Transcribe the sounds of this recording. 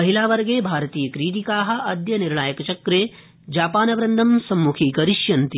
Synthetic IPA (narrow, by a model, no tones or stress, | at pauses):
ɐɦilaːʋɐɾɡeːbʱaːɾɐt̪iːjɐkɾiːʈ̪ikaːɦɐ̆ʔɐd̪jɐniɾɳaːjɐkɐt͡ʃɐkɾeː | d͡ʒaːpaːnɐʋɾɐnd̪ʱɐmsɐmːukʰiːkɐɾiʃjɐnt̪i